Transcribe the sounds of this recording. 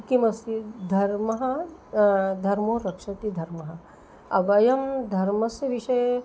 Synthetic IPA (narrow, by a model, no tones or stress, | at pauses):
kimɐsid̪ʱɐɾmɐɦɐ | d̪ʱɐɾmoːɾɐkʂɐt̪id̪ʱɐɾmɐɦɐ | ɐʋɐjɐmd̪ʱɐɾmɐsjɐʋiʃɐj